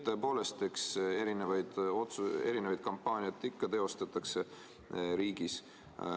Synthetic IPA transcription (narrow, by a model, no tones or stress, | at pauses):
t̪øepo̞ːle̞st̪ekse̞ɾinevɑjd̪̥o̞t̪sue̞ɾinevɑjd̪̥̚kɑmpːɑːniɑt̪ːˑikːɑt̪e̞o̞st̪ɑt̪ːˑɑkse̞ | ɾiːɡ̥is